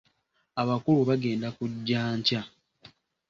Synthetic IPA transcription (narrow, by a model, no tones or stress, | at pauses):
aβakuluβaɡe̞ːndakuɟːaːɲca